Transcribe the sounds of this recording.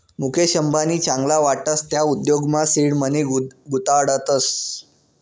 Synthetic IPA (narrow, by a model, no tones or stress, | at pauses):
mukʰeɕəmbʱaniːt͡ɕãŋɡlaʋaʈəst̪jaud̪joɡmasiɽməneɡut̪aɽət̪əs